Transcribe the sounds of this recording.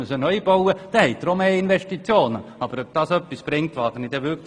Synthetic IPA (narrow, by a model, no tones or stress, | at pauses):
ysənœjb̥ɔwəd̪̥ɛhɛɪtd̪̥ɾomeːinʋɛʃtit͡sjoːnəɑb̥əɾœb̥̚d̥ɑsœpːisb̥ɾɪŋ̚tʋɑːɡənid̥̪ɛʋʏk